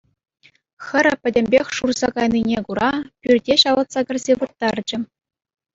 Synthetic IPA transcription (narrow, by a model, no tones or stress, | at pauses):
xʲɘ̆ɾʲɘ̆pʲɘ̆dʲɘ̆mʲbʲexʲʂurz̥ɑkɑjninʲekuɾʔɑpʲyrʲdʲeɕɑʋɤ̆t̪sɑkʲɡʲɘ̆rʲzʲeʋɯrt̪ːɑrd͡ʑɘ̆